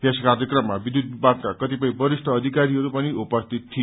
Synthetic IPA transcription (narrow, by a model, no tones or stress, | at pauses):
t̪eskaɾjʌkrʌmːabid̪ud̪̚baɡ̚kakʌt̪ipʌj̃bʌɾisʈʰʌːd̪ʱikaɾiɦʌɾupʌniupʌst̪ʰit̪ʰːi